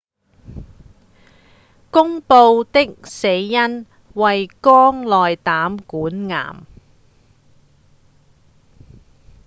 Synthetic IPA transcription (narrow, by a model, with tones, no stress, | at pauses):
kʊ˥ŋpo˧wt̪ɪ˥k̚se˨˧jːɐ˥n | wɐ˨jkɔː˥ŋlɔː˨jt̪aː˨˥mkuː˨˥nŋa̰ː˨˩m